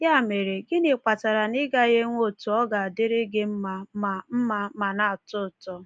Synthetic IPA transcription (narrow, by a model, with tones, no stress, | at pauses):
ja˦˨me˨ɾe˨ɡɪ˦nɪ˨k͡pa˨ta˨ɾa˨nɪ˦ɡa˦ɣe˦ŋʷo˦˨tu˨ɔ˦ɡa˨a˨dɪ˦ɾɪ˦ɡɪ˦m̩˦ma˨a˨m̩˦ma˦ma˨na˨tʊ˦˨tɔ˦